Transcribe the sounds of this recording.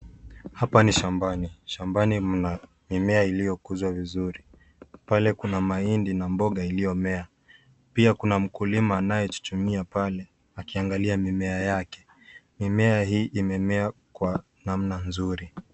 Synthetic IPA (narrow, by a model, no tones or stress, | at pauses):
hapaniʃambaniʃambanina | mimɛailijɔkuzwavizuɾi | palɛkunamaindinambɔɠailijɔmɛa | piakunam̩kulimaːnajɛtu̥t͡ʃumiapalɛ | akiaŋɡaliamimɛajakɛ̥ | mimɛaɦiːʔimɛmɛakwa | namnanzuɾi